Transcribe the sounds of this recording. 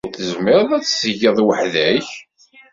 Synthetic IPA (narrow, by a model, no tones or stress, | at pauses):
θəzmɪɾðˤæt͡sːsəʝːɑðˤwəħðæç